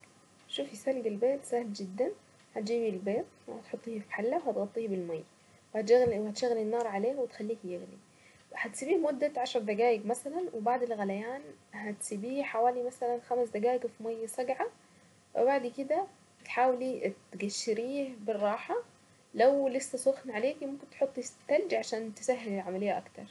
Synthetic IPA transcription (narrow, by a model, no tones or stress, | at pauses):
ʃuːfisælɡelbeːt̪sæhld͡ʒɪd̪ːæn | hæt̪̚d͡ʒiːbilbeːt̪̚whæt̪ħot̪ˤːiːhfi̥ħalːæwhæt̪ɣɑt̪ˤːiːhbɪlmajː | whæt̪ɣliwhæt̪ʃæɣlinːɑːɾˤʕaleːhwet̪xælːiːhjeɣlḭ | hæt̪siːbiːhmod̪ːæʕaʃɑɾˤd̪æɡaːʔɪɡmæsælænwebaʕd̪elɣælæjaːnhæt̪sibiːħawaːlimæsælænxæmsd̪æɡaːʔɪɡfimajːsæɡʕa | wɪ̰baʕd̪iked̪æ | t̪ħaːwelit̪ɡæʃːɪɾiːhbɪrˤːɑːħa | læwlesːæsˤoxnʕaleːkmomkɪnt̪ħot̪ˤːit̪æld͡ʒiʕaʃaːnt̪esæɦːelelʕamælejːæʔakt̪ɑ̰ɾˤ